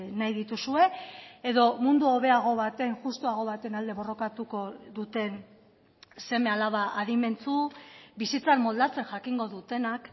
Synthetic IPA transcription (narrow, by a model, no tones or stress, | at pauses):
najðit̪usue̞eðo̞mund̪uo̞βe̞aɣ̞o̞βat̪eaiŋʝust̪uaɣ̞o̞β̞at̪enald̪e̞βo̞ro̞kat̪uko̞ðut̪e̞n | se̞me̞alaβaʔaðime̞nt͡subisit͡sakmo̞ld̪at͡se̞nʝakiŋɡo̞ðut̪e̞nak